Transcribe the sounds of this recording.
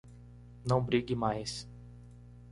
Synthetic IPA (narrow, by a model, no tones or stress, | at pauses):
nɐ̃w̃bɾiɡɪmajs